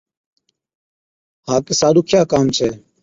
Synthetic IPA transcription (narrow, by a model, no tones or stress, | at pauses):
hãːkeːsaːɗuːkʰjaːkaːmt͡ʃʰeː